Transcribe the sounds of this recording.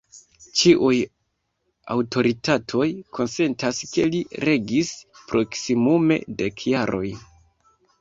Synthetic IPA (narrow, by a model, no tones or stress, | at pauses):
t͡ʃiʔuj | a̰wto̞ɾitatʰo̞jkʰo̞nse̞ntaske̞liɾe̞ɡispɾʔo̞ksimume̞̰de̞kʰjaɾʔo̞j